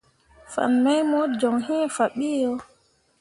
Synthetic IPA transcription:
fa̰˨nmɛ˦jmɔd͡ʒɔ˨ŋɦi˦fa˨ɓiː˦jɔ

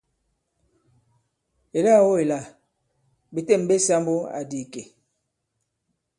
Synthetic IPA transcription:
e˨la˦˨wo˦e˨la˨ | be˨te˦˨m˨be˦sa˦mbo˦a̰˨di˨ke˨

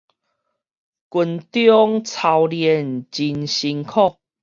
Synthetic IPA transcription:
ku˨˧nt̪jɔ˦ŋt͡sʰa˧wljɛ˨˩˨nt͡ɕi˧nɕi˧ŋkʰɔ˥˦˨k̚

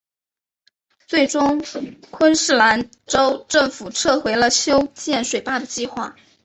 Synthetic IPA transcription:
t͡swe˥˩ɪʈ͡ʂʊ˥ŋkʰwə˥nʂɻ̩˥˩la˧˥n | ʈ͡ʂo˥ʊʈ͡ʂɤ˥˩ŋfu˨˩ʈ͡ʂʰɤ˥˩xwe˧˥ɪlə˧ɕjo˥ʊt͡ɕjɛ˥˩nʂwe˨˩ɪpa˥˩d̪ə˩t͡ɕi˥˧xwa˥˩

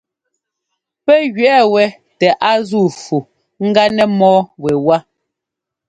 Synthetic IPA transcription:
pɛ˦ɣɥɛ˦˨wɛ˨ | tɛ˨ʔa˦zu˦˨fu˨ | ŋ̩˦ɡa˦nɛ˦mɔː˦wɛ˨wa˦

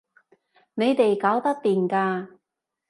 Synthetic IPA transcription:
ne˨˧jt̪e˨jkaː˨˥wt̪ɐ˥k̚t̪iː˨˩nkaː˧

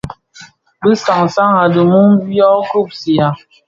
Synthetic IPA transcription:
bə˦sa˨ŋsa˦ŋa˨də˨mu˦ŋ˦bjɔ˦ɡɾu˦˨p̚si˨a˨

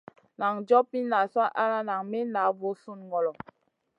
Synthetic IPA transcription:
na˨ŋd͡ʒɔ˦pi˦na˨swa˦ʔa˦ɾa˦na˨ŋmi˦na˨˦vo˨˦su˦nŋɡɔ˨lɔ˨

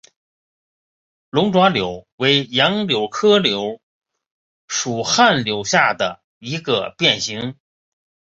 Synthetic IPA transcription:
lʊ˧˥ŋʈ͡ʂwa˧˥ljo˨˥˦ʊwe˧˥ɪjɑ˧˥ŋljo˧˥ʊkʰɤ˥ljo˧˥ʊ | ʂu˨˩xa˥˩nljo˧˥ʊɕja˥˩d̪ə˩ | i˧˥ɡə̰˧pjɛ˥˩nɕi˧˥ŋ

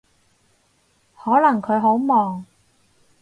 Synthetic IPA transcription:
hɔː˨˥lɐ˨˩ŋkʰɵ˨˧ɥɦo˨˥wmɔː˨ŋ

